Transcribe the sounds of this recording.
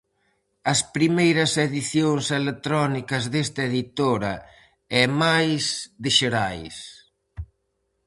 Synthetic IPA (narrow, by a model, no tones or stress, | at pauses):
ɐspɾimejɾɐseðiθjoŋselet̪ɾɔnikɐzðest̪ɐeðit̪oɾɐ | ɛmajsðɪʃeɾajs